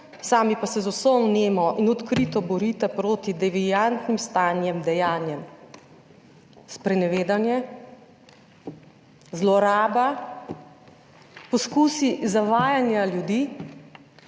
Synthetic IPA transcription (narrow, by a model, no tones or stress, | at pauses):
saːmipasɛzɔsɔnneːmɔʔinɔt̪kɾiːt̪ɔbɔɾiːt̪ɛpɾoːt̪id̪ɛʋijant̪nimst̪aːnjɛmd̪ɛjaːnjɛm | spɾɛnɛʋeːd̪anjɛ | zlɔɾaːba | pɔskuːsizaʋaːjanjaljud̪iː